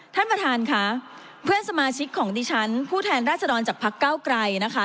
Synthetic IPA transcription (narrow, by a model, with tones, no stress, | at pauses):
t̪ʰa˥˩npɾa˧t̪ʰaː˧nkʰa˦˥ | pʰɯ˥˩ənsa˧maː˧t͡ɕʰi˦˥kʰːɔː˩˦ŋdiː˧t͡ɕʰa˦˥npʰuː˥˩t̪ʰɛː˧nɾaː˥˩t̪̚t͡ɕsa˧dɔː˧nt͡ɕaː˨˩k̚pʰa˦˥kːaː˥˩wkɾa˧jna˦˥kʰa˦˥